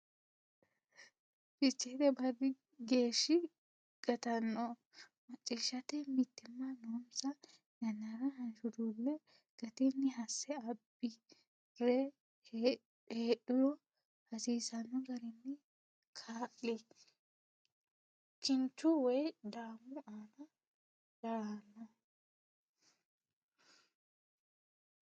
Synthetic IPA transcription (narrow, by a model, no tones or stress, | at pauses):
fɪt͡ʃːeːd̪ɛbɐrːɪ | ɡeːʃːɪ | ɡ̥ɐt̪ɐnːɔ | mɐt͡ʃʼːiːʃːɐt̪ɛmɪt̪ːɪmːɐnoːnsɐ | nɐnːɐɾɐhɐnʃʊd̪uːlːɛ | ɡ̥ɐt̪ɛnːɪɦɐsːɛɐb̥ːɪ | ɾɛ | eːᶑɪlɔ | hɐsiːsɐnːɔɡɐɾɪnːɪ | kʰaːʔɪ | t͡ʃɪnt͡ʃːʊwɔjd̪aːmːʊaːnɐ | d̪̥anːɔ